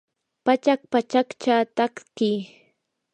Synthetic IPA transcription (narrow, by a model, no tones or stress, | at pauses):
pat͡ʃak̚pat͡ʃakt͡ʃaːt̪akkiː